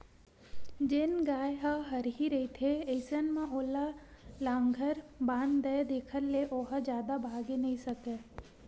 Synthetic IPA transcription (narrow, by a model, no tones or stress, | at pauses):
d͡ʒɪnɡaːjɦɐɦɐɾɦiɾɐit̪ʰeeːsənmãʔoːla | lãːŋɡʱəɾbãːnd̪əjd̪eːkʰəɾleʔoːɦəd͡ʒjaːd̪abʱaːɡenɐɦĩsɐke